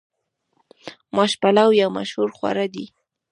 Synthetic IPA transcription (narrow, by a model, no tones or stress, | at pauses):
maʃpalawjawma̰ʃhuɾxwa̰ɾad̪i